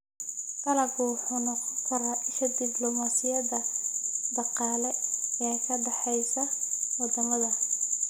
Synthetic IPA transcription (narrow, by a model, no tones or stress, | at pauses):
k̪ʰɐlɐɡuħʊnɔqɔkʰɐɾaʔɪʃɐd̪ɪblɔmasɪjɐðɐd̪ɑqɑːlɛɛːkʰɐɖɑħɛjsɐwɑd̪ɐmɐðɐ